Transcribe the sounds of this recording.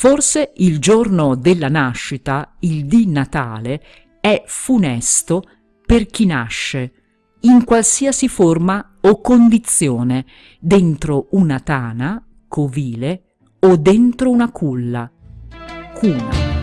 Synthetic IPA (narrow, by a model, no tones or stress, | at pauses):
forseʔild͡ʒornod̪elːanaʃːit̪aild̪inat̪aːle | ɛfunɛst̪o | perk̟inaʃːe | iŋkwalsiːasiforma | okːond̪it̪sːjoːne | d̪ent̪ɾounat̪aːna | kʰoviːle | od̪ːent̪ɾounakʰulːa | kʰuːna̰